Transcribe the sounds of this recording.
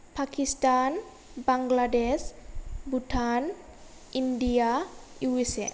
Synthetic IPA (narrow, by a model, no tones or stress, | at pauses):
pʰakistan | baŋɡladesbutʰan | indijauesɛ̰